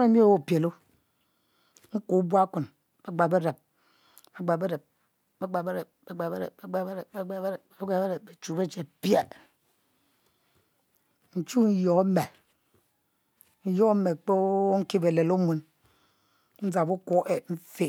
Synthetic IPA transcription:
e˦mi˦e˦˨wo˦˨pje˨lo˦ | ŋ̩˦ku˨˦ba˦ku˨n | be˦ɡ͡ba˨be˦ɾe˨p̚ | be˨ɡ͡ba˨be˦ɾe˨p̚ | be˦ɡ͡ba˨be˦ɾe˨p̚be˦ɡ͡ba˨be˦ɾe˨bbe˦ɡ͡ba˨be˦ɾe˨e˦ɡ͡ba˨bɾe˦ɡ͡ba˨be˦ɾpbe˨t͡ʃu˨be˦t͡ʃe˨pje˦˨ | n̩˨t͡ʃu˦n̩˦jo˨˦me˨ | n̩˦jo˦me˨k͡po˦ŋ̩˦ki˦be˨le˨lo˦mʷu˨n | n̩˦za˨bu˦ko˦ʔe˨ɱ̩˦fe˨

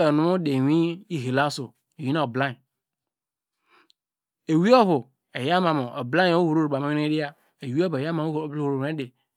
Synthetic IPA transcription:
ɛ˨nʊ̃˦o˦de˨ɲ˦ĩ˦ji˦ɦe˨la˦so˨ | e˨wi˦nã˦o˨blã˦˨ | e˨wi˦ɔ˦ɸo˨ | e˨ja˦mã˨me˨ɛ˨blã˦˨˦o˦wu˨ɾo˦ɾo˨ɡ͡ba˨mẽ˦ñ˦e˦a˨ | e˨wi˦ɔ˦bja˦mã˨wo˦˨˦blho˨ɾo˨˦ẽ˦de˨

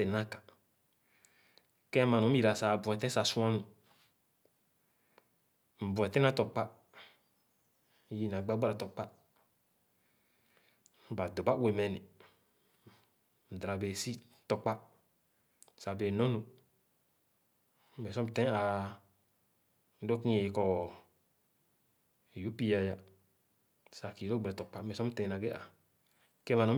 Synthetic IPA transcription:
se˨nã˦kḁ˨ | kɛ˦a˦mã˨nũ˨˦i˨ɾa˨sa˨bu˨ɛ˨t̪ɛ̃˦sa˨sũ˦ã˦nũ˨ | m̩˨bu˨ɛ˨tɛ̃˦nã˦t̪ɔ˨k͡pa˦˨ | ji˦nã˨ɡ͡ba˦ɡ͡ba˦ɾa˨t̪ɔ˨k͡pa˦ | ba˨d̪o˨ba˦we˨mɛ˨nĩ˨ | m̩˨dɾa˨be˨si˦ | tɔ˧k͡pa˦ | sa˨be˨nɔ̃˦nu˨ | me˨sɔ˦m˦tẽ˦a˨˦ | do˦kĩ˦e˨˧kɔ˨ | ju˨˦pi˦ja˧ja˨ | sa˨ki˨ɾo˦ɡ͡be˨ɾɛ˨tɔ˨k͡pa˦me˨sɔ˦m˦tɛ̃˨˦na˨ɡe˦a̰˨ | ke˦ma˨nɔ̃˨˦

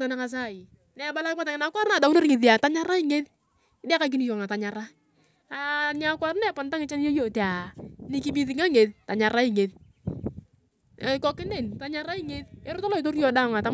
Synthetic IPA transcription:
ta˨nɪ˦ka˨s̬a˦˨i˨ | nɛ˨ba˦la˦kpa˦ta˨ŋɪ˦na˨˦kʷa˦ɾna˨da˨wu˦no˦ɾɪ˦ŋɪ˨ði˨a˨ta˦ɲa˦ɾa˦i˦˨ŋe˦ð | ɪ˦dɛ˦ka˦k̬i˦ni˦jo˨ŋa˨ta˨ɲa˨ɾa˦ | a˨ɲ˦a˨˦kwʷa˦ɾnɛ˦pɔ˨n˦ta˦ŋɪ˨t͡ʃa˦ni˦jo˦jo˨te˨a˨ni˨ki˦bi˦ðɪ˨ŋa˦ŋe˨ðta˨ɲa˨ɾa˦i˦˨ŋe˨ð | kɔ˦kɪ˦ne˦˨nta˨ɲa˦ɾa˦i˦ŋe˦ðe˦ɾʊ˦ta˦lɔ˦i˨to˦ɾjɔ˨˦da˦˨ŋa˨ta˨˦

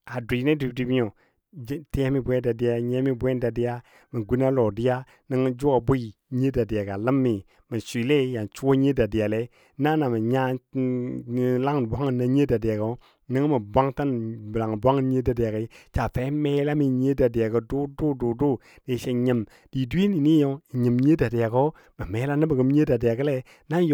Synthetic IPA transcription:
a˨di˨ne˦di˨˦di˦bi˦ɲo˨ | d͡ʒti˦a˦mi˦bʷɛ˦da˨di˦ja˦ɲe˦mi˦bwɛ˦n˦da˨di˦ja˦ | mi˨ɡu˦na˦lo˨di˦ja˦ | nə˦ŋ˦d͡ʒu˦a˨bu˦i˦˨ɲe˦da˨di˨a˨ɡa˨lə˦mːi˨ | mi˨sʷi˨le˦˨ja˨nt͡ʃu˦wo˦ɲe˦da˨di˨a˨le˦ | na˦na˨mə˨ɲa˦˨ | la˦ŋ˨bʷa˦ŋ˨nːa˦ɲe˦da˨di˨a˨ɡə˨˦ | nə˦ŋ˦mə˨bʷa˦ŋta˦n˨bla˨ŋ˨bʷa˦ŋ˦ɲe˦da˨di˨a˨kə˦t͡ʃa˨fe˨˦me˦la˦mi˨ɲe˦da˨di˨ja˨kə˨du˦du˦du˨du˦ | de˨ʃe˨ɲə˨m | d̥i˨du˦i˦ni˨ni˦jo˨˦i˨ɲə˨m˨ɲe˦da˨di˨ja˨ko˦ | mə˨me˨˦la˦nə˦bə˨ɡə˦m˦ɲe˦da˨di˨a˨kə˦lɛ˦ | na˦

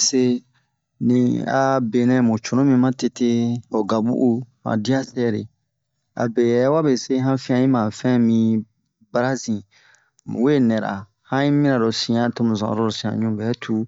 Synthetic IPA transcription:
se˦ | nĩ˨a̰˨be˨nɛ̃˦mõ˨t͡ʃo˨nõ˦mĩ˧mã˦te˨te˦o˨ɡa˨bṵ˦ʔu˦mã̰˨di˦a˦sɛ˦˨ɾḛ˨ | a̰˨be˨jɛ˨˦wa˦be˨se˦ɦã˦fĩ˦ã˨ĩ˦mã˨fɛ̃˦mĩ˦ | ba˦ɾa˦zĩ˨ | we˦˨nɛ̃˨ɾa̰˨ | hã˦ĩ˦mĩ˦ɾã˨ɾo˨sĩ˨ã˨to˦mũ˨zã̰˨ɾo˦o˨sĩ˨ã̰˨ɲũ˦bɛ˨˦tʰu˦

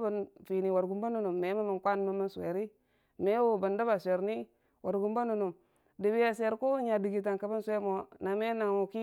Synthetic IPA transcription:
bə˨nfi˨ni˨wa˨ɾɡu˨mba˦nu˨nu˨mːe˨˦ma˦mə˨nkʷa˦n˦ma˦mə˦nsḛ˨ɾi˦ | me˦wo˨bə˨nda˦ba˨sʷe˨ɾni˦ | wa˨ɾɡu˨mba˦nu˨nu˨m | di˨bi˦ja˨se˨ɾku˦ɲa˨bi˨ɡi˨t̬a˨ŋka˨bə˦nsʷe˦mo˨na˨me˦na˨ŋu˨ki˦

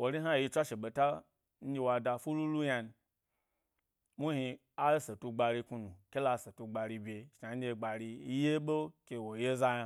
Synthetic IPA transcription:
wo˨ɾi˦ɦa˦˨i˧t͡ʃʷa˦ʃe˨ɓe˨ta˦ | n̩˦d͡ʒʲe˧wa˧da˧fu˦lu˦lu˦ja˧n˧˨ | mu˦hi˧ | a˦se˨tu˧ɡ͡ba˧ɾi˧ku˧nu˨kʲe˦la˧˦˨se˨tu˧ɡ͡ba˨ɾi˧bʲe˧ʃna˨n̩ʲ˦e˧˨ɡ͡ba˨ɾi˧˦je˦ɓo˦kʲe˧wo˨je˦za˧˦ja˧

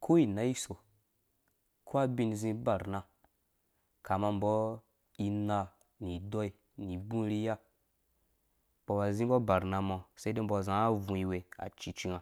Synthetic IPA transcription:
kʰo˦i˨na˦i˦so˨ | kʰo˦a˦bi˦n˨zĩ˧˦ba˨ɾna˧ | ka˨ma˧m˨bɔ˦ | i˧na˧ | ni˨dɔ˦i˨ | ni˨bũ˦ɾi˦ja˦ | b̥ɔ˨wa˨zĩ˦bɔ˦ba˨ɾna˨mɔ˨se˦de˦m̩˦bɔ˧˨zã˨˦a˦vũ˨i˨we˨a̰˨t͡ʃi˨t͡ʃi˧ŋa˨

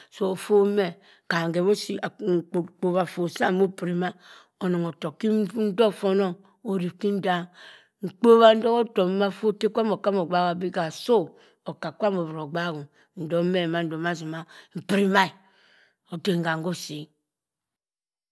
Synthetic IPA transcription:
so˨o˨fo˦mɛ˦˨ | ka˨ŋ˨ɡe˨βo˦si˦a˨k͡po˨βa˨fo˨sa˦˨mo˦pɾi˨ma˦ | o˨no˨ŋo˨to˨ki˦n̩˦do˦fo˦no˦ŋ | o˨ɾi˨ki˦n˦da˦ | ŋ̩˨k͡po˦βa˦n̩˦do˦ko˦to˨˦ma˦fo˦te˦kʷa˦mo˨ka˦mo˨ɡ͡ba˦˨ɡa˨bi˦ɡa˨so˦ | o˨ka˨kʷa˦mo˨βɾo˨ɡ͡ba˦ɡo˨ | n̩˨do˨˦me˦˨ma˨˦n̩˦do˨ma˦zi˨ma˦m̩˨pɾi˦ma˦i˨ | o˨te˨ŋ˨ɡa˨ŋɡo˦si˨˦

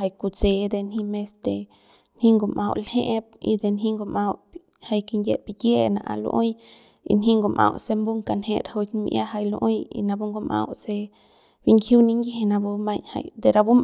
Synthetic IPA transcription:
a˧jku˧t͡se˧d̪e˧nhi˦me˧st̪e˧˨ | nhi˦ŋɡo˧mʔa˧wlhe˦ʔp̚ḭ˧d̪e˧nɦĩ˦ŋɡo˧ma˧w | ha˧jki˧nje˧pi˧d̪je˦na˧ʔa̰˧lo̰˧ʔo˦j | ḭ˧nɦi˦ŋɡo˧mʔã̰˧wse˧mbu˦ŋka˧nhe˧˦ɾa˨ho˧ti˧m˧ja̰˦ɦa˧jlo̰˧ʔo˦jḭ˧na˧bu˦ŋɡo˧ma̰˧wse˧ | bi˧ŋkʰju˦ni˧ŋɡi˦ɦe˧na˧bu˧ma˧ɲha̰˧jd̪e˧ɾa˧bu˦m

